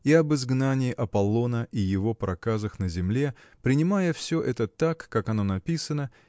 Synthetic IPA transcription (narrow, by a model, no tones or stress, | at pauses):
iɐbɨzɡnanʲɪːʔɐpɐlˠo̞nəʔijɪvo̞pɾʔɐkazəxnəzʲɪmlʲe̞pɾʲɪnʲɪmajəfsʲoʔɛt̪ət̪akːakɐno̞nɐpʲisənə